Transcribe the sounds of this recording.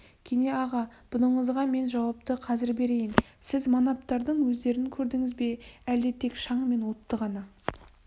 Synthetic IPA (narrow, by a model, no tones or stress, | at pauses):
kʲʰene̞ɑʁɑb̥ʊləɴəzʁɑme̞nʒɑwɑp̚t̪əqʰɑzɪɾbe̞ɾe̞jɪnsɪzmonɑp̚t̪ɑɾd̪əɴwɵzd̪e̞ɾɪŋkʲʰɵɾd̪ɪŋɪzbe̞æld̪et̪ʰe̞kʃɑɴəme̞nwo̞t̪ːəʁɑnɑ